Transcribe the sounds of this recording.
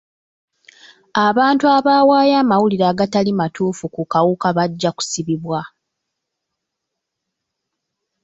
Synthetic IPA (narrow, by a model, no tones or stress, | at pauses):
aβaːntuaβaːwaːjaːmawuliɾaːɡatalimatuːfukukawukaβaɟːaku̥siβiβwa